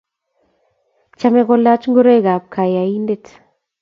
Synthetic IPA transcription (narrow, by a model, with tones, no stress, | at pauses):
t͡ʃa˦me˦ɡo˧la˦t͡ʃŋɡu˦ɾe˦ɡa˨p̚kʰa˨ja˨i˦nde˦t̪